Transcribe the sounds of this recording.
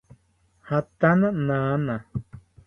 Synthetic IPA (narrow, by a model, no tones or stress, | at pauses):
hat̪anananã